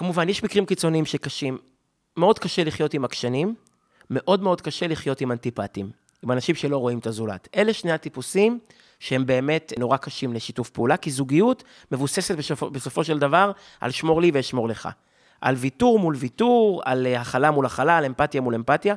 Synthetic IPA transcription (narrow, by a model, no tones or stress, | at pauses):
kamuvanjeʃmikʁimkit͡so̞niimʃekaʃimː | eo̞dkaʃe̞liχjo̞timakʃanimː | e̞ʔo̞dmeo̞dkaʃe̞liχjo̞timantipatim | imanaʃimʃe̞lo̞ʁo̞imtazula̰tʔe̞leʃneatipusim | ʃehembe̞ːme̞tno̞ʁakaʃimle̞ʃitufpeulakizuɡijut | me̞vuse̞setbebeso̞fo̞ʃe̞ld̪avaʁ | ʔa̰lʃmo̞ʁliveʃmo̞ʁleχa̰ | ʔa̰lvituʁmulvituʁa̰lhaχalamulaχalaːle̞mpatjamule̞mpatja